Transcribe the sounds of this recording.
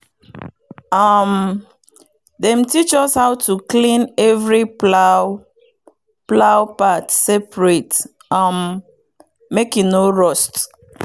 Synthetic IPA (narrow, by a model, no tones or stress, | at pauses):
ʌm | dɛ̃mtit͡ʃɔshaʊtʰuklĩnɛvɹi | plawpatsɛpɹet | ʌmː | ekĩŋnoɹɔst